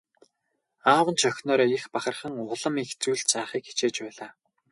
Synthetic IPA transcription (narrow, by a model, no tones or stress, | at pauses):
aːwə̆nt͡ɕʰœxʲnɔːɾɔːixpaχə̆rχə̆ŋʊɮə̆mixt͡suːɮt͡saːχiːki̥t͡ɕeːt͡ɕpæːɮaː